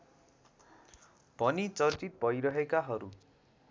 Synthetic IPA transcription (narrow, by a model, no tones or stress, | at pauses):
b̥ʱʌnit͡sʌrt͡sit̪̚bʱʌjɾʌɦekaɦʌɾu